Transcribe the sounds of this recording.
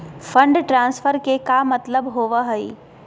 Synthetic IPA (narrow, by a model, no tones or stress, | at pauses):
fʰə̃ɳɖʈɾãːnsfəɾkekamɐt̪ləbɦoːʋaɦɐḭː